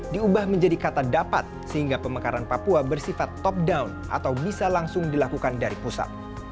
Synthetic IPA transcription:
diubahməɲd͡ʒadikat̪adapa̰t̪̚səhiŋɡapəmakaɾanpapuabərsifat̪ːɔp̚dawnʔa̰t̪awbisalaŋsʊŋdilakukandaɾipusa̰t̪̚

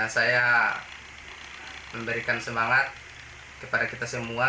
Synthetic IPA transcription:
ansaja | məmbəɾikansəmaŋat̪̚ | kəpadakit̪asəmua

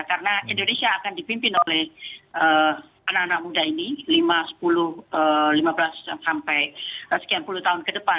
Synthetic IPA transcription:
kaɾənaʔindonesiaːkandipimpɪnolɛhʔə | anakanak̚mudainilimasə̥pulʊhəlimabəlasaŋsampɛjsə̥kianpuluht̪aɦʊnkədəpa

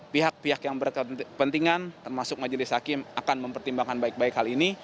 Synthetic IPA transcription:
piɦak̚piɦakjaŋbərkəəpənt̪iŋant̪ərmasʊk̚mad͡ʒəlɪsakɪmakanməmpərt̪imbaŋkanbaɪk̚baɪkhɦalini

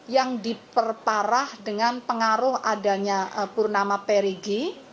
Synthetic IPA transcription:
jaŋdipərpaɾahdəŋanpəŋaɾʊhadaɲapʊrnamapeɾiɡi

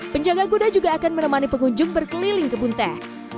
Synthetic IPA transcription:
pəɲd͡ʒaɡaɡudad͡ʒuɡaːkanmənəmanipəŋuɲd͡ʒʊŋbərkəlilɪŋkəbunt̪ɛ

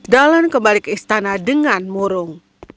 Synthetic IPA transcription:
dalankəmbalikəist̪anadəŋanmuɾʊŋ

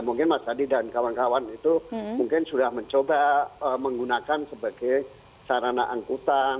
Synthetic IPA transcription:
muŋkɪnmasadidankawankawanit̪umuŋkɪnsudahməɲt͡ʃobaəməŋɡunakansəbaɡaj | saɾanaʔaŋkut̪an

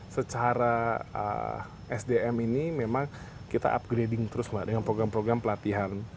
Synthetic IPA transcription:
sət͡ʃaɾaə̰ | ʔɛsdeɛminimemaŋ | kit̪a̰ʔa̰p̚ɡɾedɪŋt̪əɾʊsmaʔdəŋanpɾoɡɾanpɾoɡɾampəlat̪iɦan

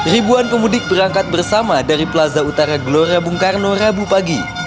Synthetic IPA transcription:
ribuanpəmudɪk̚bəɾaŋkat̪̚bərsamadaɾipəlazaut̪aɾaɡloɾabuŋkarnorabupaɡi

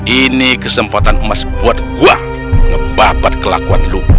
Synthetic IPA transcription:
inikəsəmpat̪anmasbuat̪ɡua | ŋəbabat̪kəla̰kuat̪lu

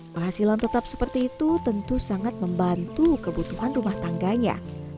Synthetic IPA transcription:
pəɦasilant̪ət̪ap̚sə̥pərt̪iːt̪ut̪ənt̪usaŋat̪̚məmbant̪ukəbut̪uɦanrumaht̪aŋɡaɲa̰

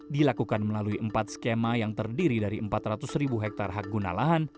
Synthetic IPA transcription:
dilakukanməlaluiʔəmpat̪̚skemajaŋt̪ərdiɾidaɾiəmpat̪ɾat̪ʊsɾibuɦɛk̚t̪arɦak̚ɡuna̰laɦan

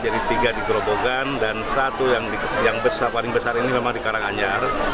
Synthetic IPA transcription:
d͡ʒadit̪iɡadikɾoboɡandansat̪ujaŋijaŋbəsarpalɪŋbəsarinimemaŋdikaɾaŋaɲar

